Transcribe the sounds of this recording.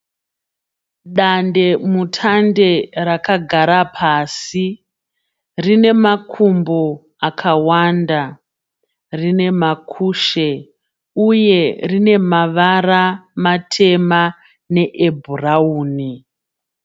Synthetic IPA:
ɗande̞mutʰande̞rakaɡʱaɾapʰaːsi | rine̞makʰumbo | akʰawanda | rine̞makʰuːʃe | uje̞rine̞maʋaramatʰe̞ma | ne̞ʔebʱurauːni

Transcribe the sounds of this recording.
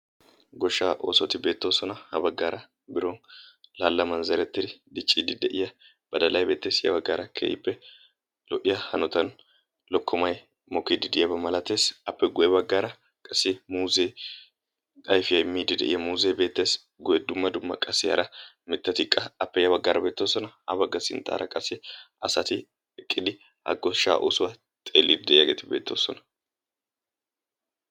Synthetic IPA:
ɡɔʃːaːʔo̞ːsɔt̪ɪbe̞ːt̪ːoːsɔnɐhɐ̰bɐɡːaːɾɐ | bɪɾonlaːlːɐmɐnzɐɾɛt̪ːɪd̪ɪd̪ɪt͡ʃʼːiːd̪ɪd̪ɛʔɪjɐ | b̥ɐd̪ɐlɐjbe̞ːt̪ːe̞ːsjɐ̰bɐɡːaːɾɐkʰḛːjɪ̰pːɛ | lɔʔɪjɐhɐnɔt̪ɐn | lɔkʰːɔmɐj | mɔkid̪ɪd̪ɪjɐbɐmɐlɐt̪e̞ːsɐpːɛɡɔjɛbɐɡːaːɾɐ | kʼɐsːɪmuːze | ɐjfɪjɐjmiːd̪ɪd̪ɛ̰ʔɪ̰jɐmuːzebe̞ːt̪ːe̞ːs | ɡʊjɛd̪ʊmːɐd̪ʊmːɐkʼɐsɪjɐ̰ɾɐ | mɪt̪ːɐt̪ɪkʼːɐɐpːɛjɐbɐɡːaɾɐbe̞ːt̪ːo̞ːsɔnɐhɐ̰bɐɡːɐsɪ̰nt̪ʼa̰ːɾʔɐ̰kʼɐsɪ | ɐsɐt̪ɪ | ɛkʼːɪd̪ɪ | ɐ̰ɡːɔʃa̰ːʔo̰sʊwɐ | t̪ʼeːlːid̪ɪd̪ɛʔɪjɐɡeːt̪ɪbe̞̰ːt̪ːo̞ːsɔnɐ̥

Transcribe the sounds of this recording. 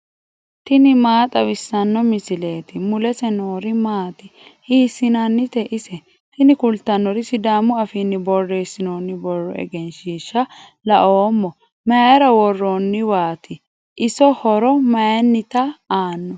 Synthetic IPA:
t̪ɪnɪmaːt̪ʼɐwɪsːɐnːɔmɪsɪle̞ːt̪ɪmʊlɛsɛnoːɾɪmaːt̪ɪhiːsːɪnɐnːɪt̪ɛʔɪsɛ | t̪ɪnɪkʊlt̪ːɐnːɔɾɪsɪd̪aːmʊɐfinːɪbɔrːe̞ːsːɪnoːnːɪbɔrːɔɛ̰ɡɛnʃiːʃːɐ | lɐʔoːmːɔ | mɐjɐɾɐwɔrːonːɪwaːt̪ɪ | ʔɪsɔhɔɾɔmɐjɐnːɪt̪ɐaːnːɔ

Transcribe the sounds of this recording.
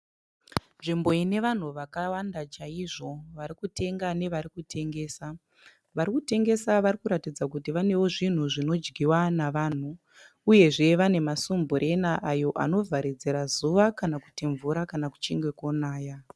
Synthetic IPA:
nʐimbo̞ine̞ʋan̤uʋakawandat͡ʃaiʐo̞ʋaɾikute̞ŋɡane̞ʋaɾikutʰe̞ŋɡe̞ːsa | ʋaɾikute̞ŋɡe̞saʋaɾikuɾatid͡zakutiʋane̞wo̞ʐin̤uʐino̞d͡ʒɡʱiwanaʋaːn̤uː | je̞ʐe̞ʋane̞masumbuɾʔe̞naʔajo̞ʔa̰no̞vʱaɾid͡ze̞ɾazuʋakanaku̥tiɱvuɾakanaku̥t͡ʃiŋɡwe̞konaːja

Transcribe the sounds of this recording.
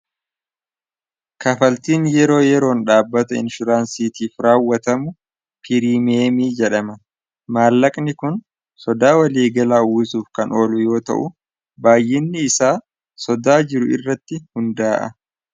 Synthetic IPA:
kɐfɐlt̪iːnjɛɾo̞ːjɛɾo̞ːnᶑaːbːɐt̪ɐɪ̰nʃʊɾaːnsiːt̪iːfɾaːwːɐt̪ɐmʊ | pʰɪɾiːmeːmiːd͡ʒɛᶑɐmɐ | maːlːɐkʼnɪkʊn | sɔd̪aːwɐliːɡɐlaːwɪsuːfkɐnʔo̞ːlʊjo̞ːt̪ɐ̰ʔʊ | baːjːɪnːɪɪsaː | sɔd̪aːd͡ʒɪɾʊɪ̰rːɐt̪ːɪhʊnd̪aːʔɐ̰

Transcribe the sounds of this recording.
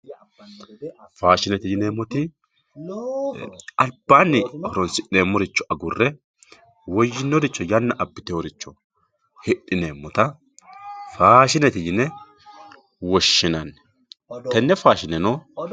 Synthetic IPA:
faːʃɪnɛt̪ɪd͡ʒɪneːmːɔt̪ɪ | ɐlb̥ːaːnːɪhɔɾɔnsɪʔeːmːɔɾɪt͡ʃːɔɐɡʊrːɛ | wɔjːɪnːɔɾɪt͡ʃːɔjɐnːɐʔɐbːɪt̪ɛɔɾɪt͡ʃːɔ | hɪɗɪneːmːɔt̪ɐ | faːʃɪnɛt̪ɪjɪnɛ | wɔʃːɪnɐn | t̪ɛnːɛfaːʃɪnɛnoː

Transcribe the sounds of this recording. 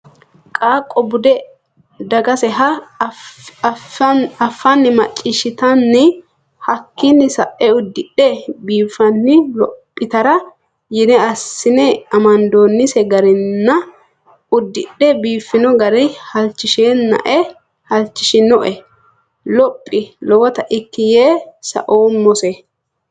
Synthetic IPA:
kʼaːkʼːɔbʊd̪ɛ | d̪ɐɡɐsɛɦɐ | ɐfːɐnːɪmɐt͡ʃʼːɪʃɪt̪ɐnːɪ | hɐkːɪnːɪsɐʔɛʊd̪ːɪɗɛbiːfːɐnːɪlɔpʼːɪt̪ɐɾɐ | jɪnɛɐsːɪnɛɐmɐnd̪oːnːɪsɛɡɐɾɪnːɐ | ʊd̪ːɪɗɛbiːfːɪnɔɡɐɾɛhɐlt͡ʃːɪʃeːnːɐ̰ʔɛ | hɐlt͡ʃːɪʃɪnɔʔɛ | lɔpʼːɪlɔwɐt̪ɐʔɪkːɪjeːsɐ̰ʔoːɔsɛ

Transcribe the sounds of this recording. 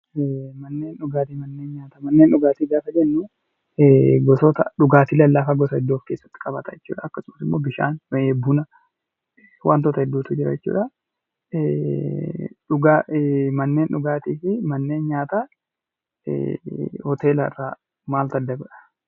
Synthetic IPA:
mɐnːe̞ːnᶑʊɡaːt̪iːmɐnːe̞ːnɲaːt̪ɐmɐnːe̞ːnᶑʊɡaːt̪iːɡaːfɐd͡ʒɛnːuː | ɡɔsɔt̪ɐᶑʊɡaːt̪ɪlɐlːafaɡɔsɐɛd̪ːoːfke̞ːsːɐ̥t̪ːɪ̥kʼɐbɐt̪ɐɛt͡ʃːṵːᶑɐɐkːɐsʊmsɪmːoːbɪʃa̰ːnmeːbʊnɐ | wʔa̰ːnt̪ɔt̪ɐhɛd̪ːuːt̪ʊd͡ʒɪɾɐ̰jɛt͡ʃːṵːᶑɐ | ᶑʊɡamɐnːe̞ːnᶑʊɡaːt̪iːfɪmɐnːe̞ːnɲaːt̪a̰ | hɔt̪e̞ːlɐɪ̰rːaː | maːlt̪ɐd̪ːɐɡɔᶑɐ̥

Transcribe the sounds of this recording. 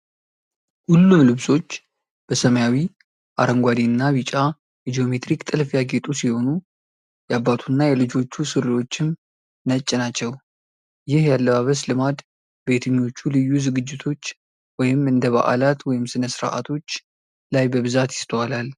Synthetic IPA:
hulːumlɨβsʼo̞t͡ʃː | b̥əsəməjawi | ʔa̰ɾəŋɡʷad̪iɨnːaβit͡ʃʼa | jɛd͡ʒio̞me̞t̪ɾikt̪ʼɨlfjaɡe̞t̪ʼusiho̞nu | jɛabːat̪ʰunːajɛlɨd͡ʒo̞t͡ʃːusɨɾɨlo̞t͡ʃːɪm | nət͡ʃʼːɪnat͡ʃːɛw | jɪhjalːəβaβəslɨmad̪ | be̞t̪ʰəɲːo̞t͡ʃːulɨjːuzɨɡɨd͡ʒːɪt̪ʰo̞t͡ʃː | wɔjɪmɨnd̪əβa̰ʔa̰lat̪wɔjɪmsɨnəsɨɾ̰ʔa̰t̪ʰo̞t͡ʃː | lajbəβɨzat̪jɪ̥st̪ʰəwalal

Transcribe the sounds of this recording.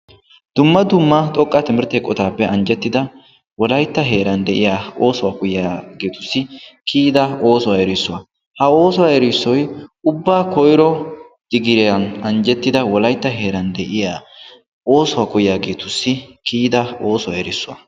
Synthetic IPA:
d̪̥ʊmːɐd̪ʊmːɐt̪ʼɔkʼːɐt̪ɪmɪɾt̪eːkʼːɔt̪aːpːɛʔɐnd͡ʒɛt̪ːɪd̪ɐ | wɔlɐjt̪ːɐɦe̞ːɾɐnd̪ɛʔɪjaːo̞ːsɔwaːkʊjjaːɡeːt̪ʊsːɪkʰiːd̪ɐo̞ːsɔwaɛɾɪsːʊwɐ | hɐo̞ːsɔwaɛɾɪsːɔjʊbːaːkɔjɾɔ | d̪̥ɪɡɪɾɛjɐnɐnd͡ʒɛt̪ːɪd̪ɐwɔlɐjt̪ːɐɦe̞ːɾɐnd̪ɛʔɪjaː | o̞ːsɔwaːkʊjɪjaːɡeːt̪ʊsːɪkʰiːd̪ɐo̞ːsɔwaɛɾɪsːʊwɐ̰

